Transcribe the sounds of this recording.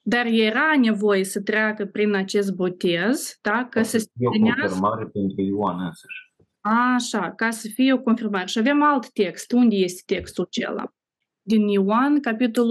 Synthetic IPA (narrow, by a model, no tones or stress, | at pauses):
d̪arjeɾane̞vo̞jesət̪ɾeakəpɾinat͡ʃe̞s̬t̪̚bo̞t̪e̞zd̪̥akasəsoinearmaɾepent̪ɾuiwanənsəʃʲ | aʃakasəfijeo̞ko̞nfirmaɾe̞ʃiave̞malt̪ːe̞kst̪und̪ʲe̞je̞st̪e̥t̪e̞kst̪ut͡ʃe̞̰la̰ | d̪iniwankapit̪o̞l